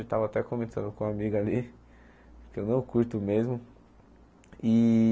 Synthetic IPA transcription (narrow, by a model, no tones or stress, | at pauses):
et̪avɐat̪ɛkõmẽt̪ɐ̃nd̪ʊkõamiɡɐali | kewnɐ̃w̃kuɾt̪ʊmezmʊ | i